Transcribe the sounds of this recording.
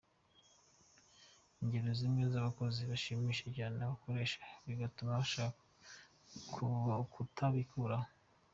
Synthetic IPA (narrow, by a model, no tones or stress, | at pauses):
iɲɟeɾezimŋezaβako̞ziβaʃimiːʃe̞ɟaːneβako̞ɾe̞ːʃḁβiɡatuβaːʃa | kʰuβakʰutʰaβikuɾa